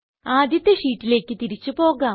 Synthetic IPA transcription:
aːd̪jɐt̪ːeʂiːʈːile̞ːkʲːɨt̪iɾit͡ɕːɨpo̞ːɣaː

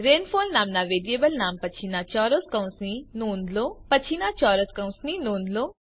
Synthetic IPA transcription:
ɾenfolnaːmnaʋeɾiebəlnampət͡ɕʰinat͡ʃɔɾoskə̃w̃sninoːnd̪lopət͡ʃʰinat͡ʃɔːɾoskə̃w̃sninõːnd̪lo

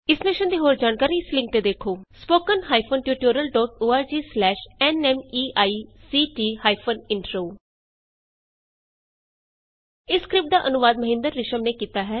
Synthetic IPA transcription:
ɪsmeːʃənd̪iːɦoːɾd͡ʒaːnkaːɾiːɪslɪ̃ŋk̚t̪eːd̪eːkʰoːspoːkənɦaːipʰonʈjuːʈoːɾəlɖɔːʈoːaːɾd͡ʒiːslɛːʃɛnɛːmiːaːiːsiːʈiːhaːipʰənɪɳʈɾoː | ɪskɾɪp̚ʈ̚d̪aːʔənʊʋaːd̪məɦɪ̃nd̪əɾːɪʃəmneːkiːt̪aːɦɛː

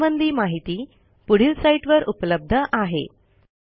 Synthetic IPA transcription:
ʋənd̪ʱiːmaɦit̪iː | puɽ̤iːlsaiʈʋəɾʔupləb̚d̪ʱəʔaɦḛ

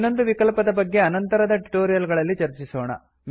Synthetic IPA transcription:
nːo̞nd̪uʋikɐlpɐd̪ɐbɐɡːe̞ɐnɐnt̪ɐɾɐd̪ɐʈiʈoːɾijɐlɡɐɭɐlːit͡ʃɐɾt͡ʃisoːɳɐ̰ | m

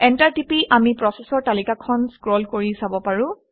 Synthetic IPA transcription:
ɛntaɹtipiʔamipɹɔsesɔɹtalikakʰɔnskɹɔlkoɹisabɔpaɹʊ̃

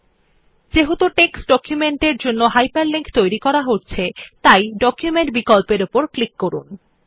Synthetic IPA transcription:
d͡ʑeɦot̪oʈeksɖɔkjumeɳʈeɾd͡ʑonːoɦajpaɾliŋkt̪ojɾikɔɾaɦoʈt͡ɕʰet̪ajɖɔkjumeɳʈbikolpeɾupoɾklikːoɾṵn

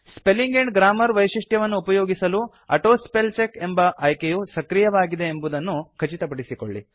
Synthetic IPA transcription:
spe̞liŋɡeɳɖɡɾaːmɐɾʋɐjʂiʂʈjɐʋɐnːuːpɐjoːɡisɐlu | ɐʈoːspelt͡ʃekembɐʔɐjkejusɐkɾijɐʋaːɡid̪e̞ːmbud̪ɐnːukʰɐt͡ʃit̪ɐpɐɽisiko̰ɭːḭ

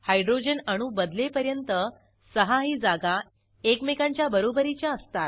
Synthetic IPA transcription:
hajɖɾod͡ʑənaɽ̃ũːbəd̪lepəɾjənt̪ə | səɦaɦiːd͡zaɡa | ekmekãɲt͡ɕjabəɾobəɾit͡ɕjaəst̪at̪

